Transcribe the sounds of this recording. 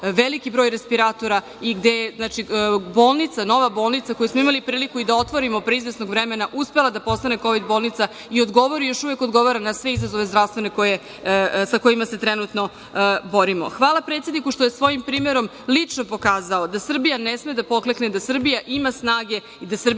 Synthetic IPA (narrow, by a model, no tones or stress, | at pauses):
ʋelikibɾo̞ːjɾespiɾat̪o̞ɾa | iɡd̪ejeznat͡ʃiboːlˠnit̪sano̞ʋabo̞ːlˠnit̪sako̞jusmo̞imalipɾiːlikuid̪ao̞t̪ʋo̞ɾimopɾeizʋesno̞ɡʋɾemenaʔuspe̞lˠad̪apo̞st̪ane̞ko̞ʋid̪bo̞ːlˠnit̪sa | io̞d̪ɡo̞ʋo̞ɾijo̞ʃuʋe̞ko̞d̪ɡo̞ʋaɾanasʋeizazo̞ʋe̞zd̪ɾavst̪ʋe̞ne̞koje | sako̞imaset̪ɾenut̪no̞ | bo̞ɾimo̞̰xʋaːlˠapɾet̪sjed̪nikuʃt̪o̞jesʋo̞jimpɾiːmeɾo̞m | lit͡ʂnopo̞kaːzaod̪asr̩bijanesmed̪apo̞klekned̪asr̩bijaʔimasnaːɡe̞ | id̪asr̩b